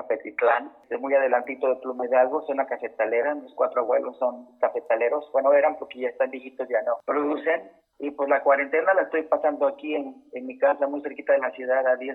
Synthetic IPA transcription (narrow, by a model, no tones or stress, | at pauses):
apet̪iklanst̪emujað̞e̞lant̪it̪o̞ðeplumeðalɣosonlakase̞t̪ale̞ɾamoskwat̪ɾoaβwe̞̰lʔosːo̞nkafe̞t̪ale̞ɾo̞sbwenoe̞ɾampokeʝaest̪ambjixit̪osʝanopɾoðuse̞n | ipwezlakwaɾe̞nt̪e̞nalaest̪o̞jpasand̪oakienenmikasamujse̞ɾkit̪aðelasjuðaðaði